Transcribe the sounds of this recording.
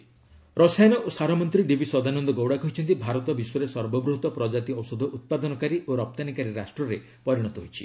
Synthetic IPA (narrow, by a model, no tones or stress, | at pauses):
ɾɔsanɔʔosaɾɔmɔnt̪ɾiɖibisɔd̪anɔnd̪ɔɡowɽakɔɦit͡ʃʰɔnt̪ibʱaɾɔt̪ɔbiswɔɾesɔɾbɔbɾuɦut̪ɔpɾɔd͡ʒat̪iɔwsɔd̪ʱɔʔut̪̚pad̪ɔnɔkaɾiʔoɾɔp̚t̪anikaɾiɾasʈɾɔɾe | pɔɾiɽ̃ɔt̪ɔɦojt͡ʃʰi̥̰